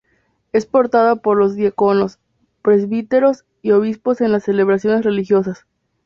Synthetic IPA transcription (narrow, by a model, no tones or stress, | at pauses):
e̞spo̞ɾt̪aðapo̞ɾlo̞zðjako̞no̞s | pɾe̞zβit̪e̞ɾo̞s | io̞β̞ispo̞se̞nlasːe̞le̞βɾasjo̞ne̞sre̞lixjo̞sas